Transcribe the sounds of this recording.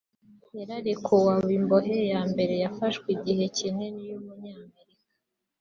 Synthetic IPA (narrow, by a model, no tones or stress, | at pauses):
jeɾaɾekʰowawimbo̞ɦejaːmbe̞ɾe̞jafaʃkwiɟihe̞ciŋe̞nijomuɲaːme̞ɾikḁ